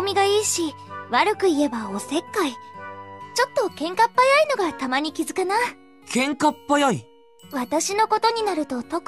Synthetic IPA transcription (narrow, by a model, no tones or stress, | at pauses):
mʲiɡaiːɕi | βaɾɯ̟kɯ̟ie̞bao̞se̞kːai | t͡ɕo̞t̪ːo̞kẽ̞ŋkapːajaino̞ɡat̪amaɲ̟ikʲizɨkana | kʰẽ̞ŋkapːajai | βat̪aɕino̞ko̞t̪o̞ɲ̟inaɾɯ̟t̪o̞t̪o̞k